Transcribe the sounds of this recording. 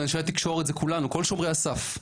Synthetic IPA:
enʃelt̪ikʃo̞ʁetzekulanuko̞lʃo̞mʁeasaf

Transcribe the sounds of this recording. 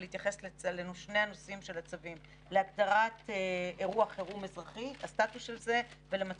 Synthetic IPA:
liit̪jaχe̞slelenoʃnejano̞simʃe̞lat͡savim | leaɡdaʁateeʁuaχeʁumezʁaχitastatusʃelze̞ve̞lemat͡s

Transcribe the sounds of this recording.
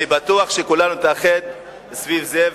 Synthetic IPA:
ibat̪uaχʃekulanut̪aχet̪̚ | svivze

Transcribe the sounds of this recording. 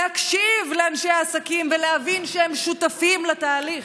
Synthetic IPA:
hakʃivleanʃejaːsakimvelehavinʃeemʃut̪afimlat̪aːliχ

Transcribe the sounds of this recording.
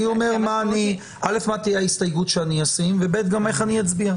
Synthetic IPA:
io̞me̞ʁmaːni | ʔale̞fmat̪ijeaist̪ajɡutʃeaniasimvebe̞t̪ɡame̞χanijat͡sbia

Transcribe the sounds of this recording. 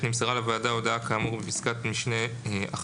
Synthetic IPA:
nimseʁalavaːdaodakaːmuʁbepiskatmiʃneʔa̰χ

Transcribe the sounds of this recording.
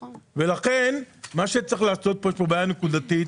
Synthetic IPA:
ve̞laχenmaʃet͡sʁeχlaːso̞t̪̚poeʃpobajanekud̪at̪it̪

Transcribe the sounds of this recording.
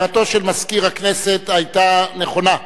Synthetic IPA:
at̪o̞ʃelmaskiʁhaknese̞t̪ajtane̞χo̞na

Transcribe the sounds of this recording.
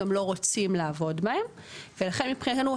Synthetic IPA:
emlo̞ʁo̞t͡simlaːvo̞dmahe̞m | velaχe̞nmipχinat̪enu

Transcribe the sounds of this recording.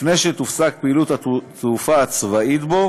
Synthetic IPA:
fneʃet̪ufsak̚peilut̪at̪ʰufaːt͡svait̪bo̞

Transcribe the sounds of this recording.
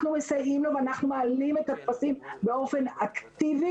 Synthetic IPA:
numesajimloveanaχnumealime̞t̪at̪pasimbeo̞fe̞nakt̪ivi

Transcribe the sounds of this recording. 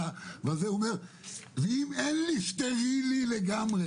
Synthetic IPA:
avazeomeʁ | veimenliʃt̪eʁilileɡamʁe

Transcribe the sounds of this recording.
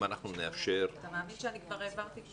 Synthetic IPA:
anaχnuneafʃeʁat̪amaːminʃeanikvaʁevant̪i

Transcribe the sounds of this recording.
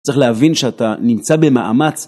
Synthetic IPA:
t͡sʁeχleɦavinʃeatanimt͡sabe̞maʔa̰mat͡s

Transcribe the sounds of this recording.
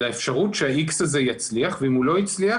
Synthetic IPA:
laefʃaʁutʃeaʔiksazejat͡sliaχveimulo̞jit͡slia

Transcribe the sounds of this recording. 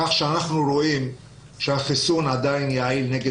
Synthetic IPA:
aχʃeanaχnuɾoʔim | ʃehaχisunʕad̪ajnjaʕilneɡe

